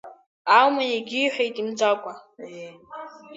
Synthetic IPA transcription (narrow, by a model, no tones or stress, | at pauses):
awmajaɡʲiːħʷᶣejtʼimd͡zakʷʼa